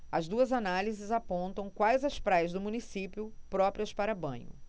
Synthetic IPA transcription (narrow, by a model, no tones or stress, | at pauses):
ɐzd̪uɐzanalizɪzapõnt̪ɐ̃w̃kwajzɐspɾajɐzd̪ʊmũnisipjʊpɾɔpɾiɐspaɾɐbɐ̰̃ɲʊ̰